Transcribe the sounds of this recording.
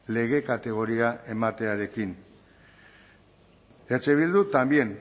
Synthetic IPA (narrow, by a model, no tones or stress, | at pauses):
le̞ɣ̞e̞kat̪e̞ɣ̞o̞ɾiae̞mat̪e̞aɾe̞kin | et͡ʃe̞β̞ild̪ut̪ambje̞n